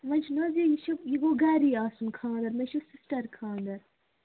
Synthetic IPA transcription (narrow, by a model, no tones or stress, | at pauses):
mɐ̃nʲt͡ʃʰnɐːzijiʃɐjiɡoɡaːɾiːaːsunkʰãːnd̪ɐɾmɐʃisisʈɐɾkʰãːnd̪ɐɾ